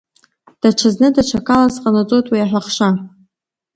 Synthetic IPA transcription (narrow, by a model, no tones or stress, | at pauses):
d̥aʈ͡ʂʰaznɨdaʈ͡ʂʰakʰalasqʼanat͡sʼotʼwijaħʷaχʂa